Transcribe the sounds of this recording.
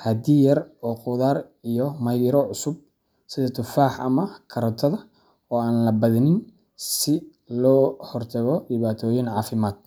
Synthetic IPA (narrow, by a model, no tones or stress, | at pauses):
hɐd̪iːjɐrɔːqʊðaːr | ijɔmɐjðɪɾɔʕʊsʊb̚ | sɪðɐt̪ʰʊfaːħʔɐ̰mɐkʰɐɾɔt̪ʰɐðɐ | ɔːaːnlɐbɐðɐnɪn | sɪ | lɔːhɔrt̪ʰɐɣɔɖɪβaːt̪ʰɔːjɪnʕɑːfɪmaːd̪̥̚